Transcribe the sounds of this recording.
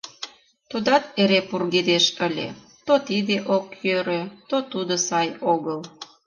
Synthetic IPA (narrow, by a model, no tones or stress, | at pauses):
t̪ud̪ɑt̪̚eɾepurɣed̪eʃəlʲḛ | t̪ot̪id̪eʔokjøɾøt̪ot̪ud̪osɑjoɣəl